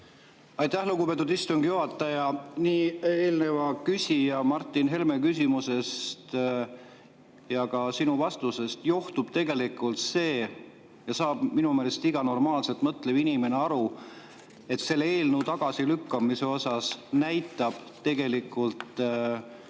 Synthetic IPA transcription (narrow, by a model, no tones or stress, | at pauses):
ɑjt̪æhluɡupe̞t̪̬ːˑud̪ist̪uŋɡ̥juɦɑt̪ːˑɑjɑniːeːlne̞vɑkysʲijɑmɑrt̪ˑːinɦe̞lme̞kysʲimuse̞st̪ | jɑkɑsinuvɑst̪use̞st̪joht̪ub̥̚t̪e̞ɡe̞likːˑult̪se̞ː | jɑsɑːb̥minume̞ːle̞st̪iɡ̥ɑno̞rmɑːlse̞lt̪ːˑmɤt̪levinime̞neɑɾu | e̞t̪se̞lːee̞ːlnut̪ɑɡ̥ɑsilykːˑɑmise̞o̞sɑsnæjt̪ːˑɑb̥ | t̪e̞ɡe̞likːˑult̪